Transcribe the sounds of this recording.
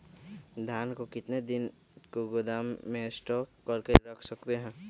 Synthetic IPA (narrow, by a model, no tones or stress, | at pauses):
d̪ʱjaːnkokɪt̪ned̪ɪn | koɡʊd̪aːmːẽsʈɔːkːəɾkeɾəkʰsəkt̪eɦɛ̃ː